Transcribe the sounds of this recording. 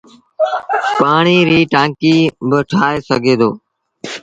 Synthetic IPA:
paːɳiːɾiːʈãːŋkiːbəʈʰaːeːsəɡʱeːd̪oː

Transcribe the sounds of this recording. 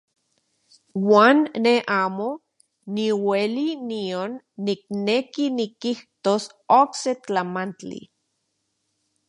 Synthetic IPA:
waːnːeʔaːmo | niwelinionː | ik̚nekinikiht̪osokset͡ɬamant͡ɬḭ

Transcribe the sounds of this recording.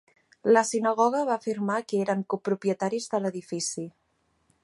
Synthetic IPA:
ləsinəɣ̞ɔɣ̞əβaːfirmakəeɾəŋkupɾupjət̪aɾizðələðifisi

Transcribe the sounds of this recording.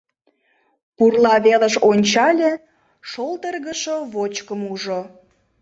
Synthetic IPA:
purlˠɑβeləʃonʲt͡ɕɑlʲe | ʃolt̪ərɣəʃoβot͡ɕkəmuʒo

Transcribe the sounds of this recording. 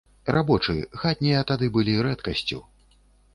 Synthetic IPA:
rʔabɔt͡ʂɨxat̪ʲnʲijɐt̪ad̪ɨbɨlʲiɾɛt̪kɐsʲt͡sʲṵ

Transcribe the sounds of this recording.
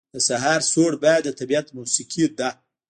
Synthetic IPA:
d̪əsaɦɑɾsoɽbɑjad̪ːət̪abiat̪musikʰid̪a

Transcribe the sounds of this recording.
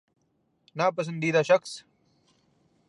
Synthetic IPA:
naːpɐs̬ɐnd̪iːd̪aːʃɐxs

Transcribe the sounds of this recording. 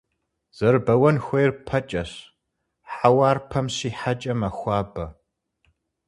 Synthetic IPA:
z̥ɐrbɐwɐnxʷejrpʰɐt͡ʃʼɐɕ | ħawaːrpʰɐmɕiːħat͡ʃʼɐmɐxʷɑːbɐ

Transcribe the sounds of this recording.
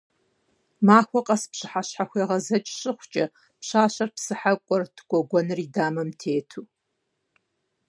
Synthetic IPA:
maːxʷɔqʼɐspɕɨħaɕħaxʷeːʁɐzɐt͡ʃʼɕɨχʷt͡ʃʼɐ | pɕaːʃɐrpsɨħakʷʼɔrtʰɡʷʼɔɡʷɔnɨriːdaːmɐmtʰeːtʰuː

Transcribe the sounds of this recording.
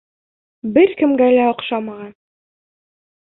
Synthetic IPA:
bɘɾkɘ̆mɡælæŏqʃɑmɑʁɑn

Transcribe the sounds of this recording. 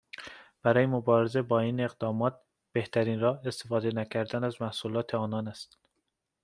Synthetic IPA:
b̥æɾɒːjemobɒːɾeze̞bɒːiːne̞ɣd̪ɒːmɒːt̪̚ | b̥e̞ht̪ʰæɾiːnɾɒːe̞st̪e̞fɒːd̪e̞næcʰæɾd̪ænæzmæhsuːlɒːt̪ʰeɒːnɒːnæst̪

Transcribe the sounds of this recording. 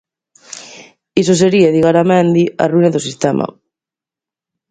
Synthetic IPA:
is̬os̬eɾiaðiɣaɾamẽnd̪ia̰ruinaðosist̪ɛmʔa̰

